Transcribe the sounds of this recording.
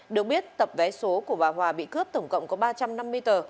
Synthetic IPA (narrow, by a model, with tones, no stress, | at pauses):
ɗɨ˨˩ək̚ɓi˦˥ət̚t̪ə˨˩p̚vɛ˨˦so˨˦ku˧˩əvaː˨˩ɦwaː˨˩ɓḭ˧˨kɨ˦˥əp̚t̪ə˧˩wŋ͡mkə̰˧˨wŋ͡mkɔ˨˦ɓaː˧t͡ɕa˧mna˧mːɨ˧əjt̪əː˨˩